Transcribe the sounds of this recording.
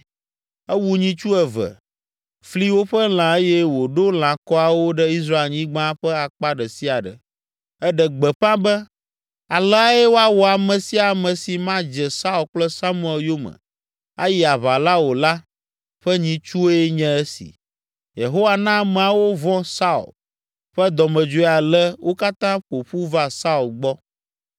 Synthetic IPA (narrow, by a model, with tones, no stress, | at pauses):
ɛ˦wu˦ɲĩ˦t͡ʃu˦ɛ˨və̰˨ | fli˦wo˦ɸɛ˦l̃ã˨e˦jɛ˦wo˨ɖo˦l̃ã˨kɔ˦a˨wo˦ɖɛ˦i˦s̬ɾa˦e˨lɲĩ˦ɡ͡bã˦ɸɛ˦a˨k͡pa˦ɖɛ˨si˦a˨ɖə̰˨ | ɛ˦ɖɛ˨ɡ͡bɛ˨ɸã˦bɛ˦ | a˨lɛ˦a˦jɛ˦wo˦a˦wɔ˨a˨mɛ̃˨si˦a˨mɛ̃˨si˨mã˦d͡ʒɛ˨sa˦u˨lk͡plɛ˦sa˦mũ˦ɛ˨ljo˦mə̰̃˨ | a̰˦ji˦a˨βa˨la˦wo˨la˦ | ɸɛ˦ɲĩ˨t͡ʃu˦o˦jɛ˦ɲɛ̃˦ɛ˦sḭ˨ | je˨ɦo˦wa˨nã˦mɛ̃˨a˨wo˦vɔ̃˦sa˦ṵ˨l | ɸɛ˦d̪ɔ˨mɛ̃˨d͡ʒo˦˨a˨lɛ˦wʔo˦ka˦t̪ã˦ɸo˨ɸu˦va˦sa˦u˨lɡ͡bɔ˦